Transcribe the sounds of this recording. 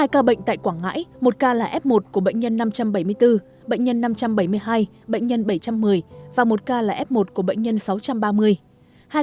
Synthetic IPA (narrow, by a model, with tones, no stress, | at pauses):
haː˧jkaː˧ɓə̰˧˨ŋ̟t̪a̰ː˧˨jkwaː˧˩ŋa̰ː˧˥jmo˨˩t̚kaː˧laː˨˩ʔɛ˦˥p̚mo˨˩t̚ku˧˩əɓə̰˧˨ŋ̟ɲə˧nːa˧mt͡ɕa˧mɓə˧˩jmɨ˧əjt̪ɨ˧ | ɓə̰˧˨ŋ̟ɲə˧nːa˧mt͡ɕa˧mɓə˧˩jmɨ˧əjɦaː˧j | ɓə̰˧˨ŋ̟ɲə˧nɓə˧˩jt͡ɕa˧mːɨ˨˩əjvaː˨˩mo˨˩t̚kaː˧laː˨˩ʔɛ˦˥p̚mo˨˩t̚ku˧˩əɓə̰˧˨jŋ̟ɲə˧nsa˨˦wt͡ɕa˧mɓaː˧mɨ˧əj | haː˧